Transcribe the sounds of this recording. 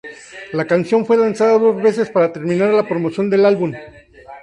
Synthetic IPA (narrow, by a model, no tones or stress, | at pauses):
lakansjo̞nfwe̞lansaðaðo̞zβe̞se̞spaɾat̪e̞ɾmĩnaɾlapɾo̞mosjo̞nd̪e̞lalβum